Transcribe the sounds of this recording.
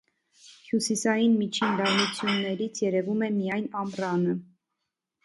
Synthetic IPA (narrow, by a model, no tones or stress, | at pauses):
hjusisɑjinmit͡ʃʰind̪ɑɾnut͡sʰjunːɛɾit͡sʰjɛɾɛvumɛmijɑjnɑmrɑnə